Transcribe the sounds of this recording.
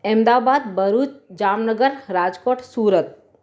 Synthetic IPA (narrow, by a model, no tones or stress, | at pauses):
emd̪aːbaːd̪bəɾuːt͡ʃd͡ʒaːmnəɡəɾɾaːd͡ʒkoːʈʰsuːɾət̪̚